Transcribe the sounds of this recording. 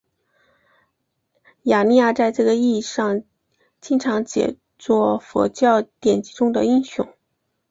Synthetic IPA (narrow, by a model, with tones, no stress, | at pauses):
ja˨˩ni˥˧ja˥˩t͡sa˥˧ɪʈ͡ʂɤ˥˩ɡə˩i˥˧ʂɑ˥˧ŋ | t͡ɕi˥ŋʈ͡ʂʰɑ˧˥ŋt͡ɕjɛ̰˨˩ | t͡swɔ˥˩fɔ̰˧˥t͡ɕjɑ˥˩ʊt̪jɛ˨˩nt͡ɕi˧˥ʈ͡ʂʊ˥ŋd̪ə˨i˥ŋɕʊ̰˥˩ŋ